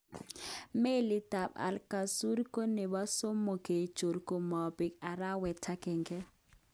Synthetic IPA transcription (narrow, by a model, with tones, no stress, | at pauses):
me˦li˦ta˨ba̰˨lka˨su˦ɾi˦ko˦ne˨ba˦so˦mʊ˨ke˨t͡ʃo˨ɾikʼo˨mɔ˨bɪ˨ka˨ɾa˦wɛ˨tʰa˦kɛ˨ŋ̩˦kɛ˦